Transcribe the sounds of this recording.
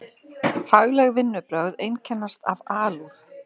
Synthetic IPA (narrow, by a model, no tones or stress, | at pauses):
faɣlɛɣvɪnːʏpɾœɣðejncʰɛnːast̪avaːluθ